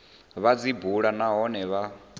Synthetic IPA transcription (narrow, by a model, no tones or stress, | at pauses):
βad͡zibuɺanaɦɔnɛβa